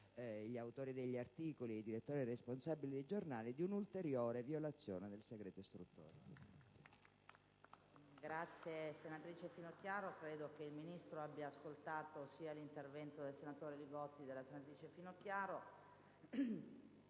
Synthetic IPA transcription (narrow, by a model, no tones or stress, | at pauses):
ʎiawt̪oːɾid̪eʎːiart̪iːkoliejd̪iɾet̪ːoːɾiresponsabːilid̪ejd͡ʒornaːlid̪iunult̪eɾjoːɾeviolat̪sːjoːned̪elseɡɾɛːt̪oist̪ɾut̪ːo̰ːɾe | ɡɾat̪sːjesenat̪ɾiːt͡ʃefinokjaːɾokɾeːd̪okeilminist̪ɾoabːjaːskolt̪aːt̪osiːalint̪ervɛnt̪od̪elsenat̪oːɾeliɡɔt̪ːid̪elasenat̪ɾiːt͡ʃefinokjaːɾo